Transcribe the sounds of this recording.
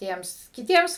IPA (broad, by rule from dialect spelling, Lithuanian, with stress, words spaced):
ˈtʲiɛms kʲɪˈtʲiɛms